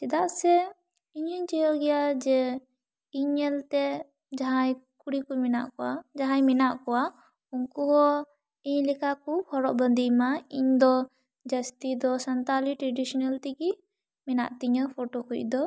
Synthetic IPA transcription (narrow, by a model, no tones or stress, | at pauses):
t̪ɛd̪aʔsɛ | iɲəɲt͡ʃijɔɡɛjad͡ʒɛ | iɲɛlt̪ɛ | d͡ʒaɦajkuɽikujmina̰ʔkɔwad͡ʒaɦãjminaʔkɔwa | uŋkuɦɔ | iɲlɛkakupʰɔɾɔʔbənd̪ijmaiɲd̪ɔ | d͡ʒəst̪id̪ɔsant̪aliʈɾɛɖisɔnalt̪iki | mɛna̰ʔt̪iɲəpʰɔʈokuc̚d̪ɔ